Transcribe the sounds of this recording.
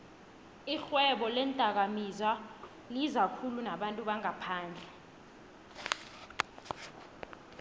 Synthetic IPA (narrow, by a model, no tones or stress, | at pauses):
ixwɛɓɔlɛntʼak̬amiza | ŋizakʰulunaɓantʼuɓaŋapʰaːnd͡ɮʱɛ